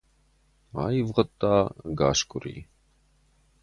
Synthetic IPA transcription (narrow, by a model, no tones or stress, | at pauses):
a̰jivʁət̪ʼːɑɡaʃkʼuɾḭ